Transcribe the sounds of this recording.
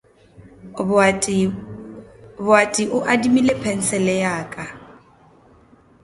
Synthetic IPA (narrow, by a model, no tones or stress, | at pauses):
bʊatʼiʔʊʔadimilepʰɛn̩sɛlɛjaːkʼa